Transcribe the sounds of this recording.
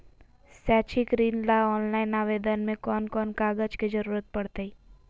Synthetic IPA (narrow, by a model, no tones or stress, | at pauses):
sɛːt͡ʃʰikɾiːnlaɔːnlaːɪnaʋeːd̪ənmẽkɔːnkɔːnkaːɡəd͡ʒked͡ʒɐɾuːɾət̪̚pɐɽt̪ei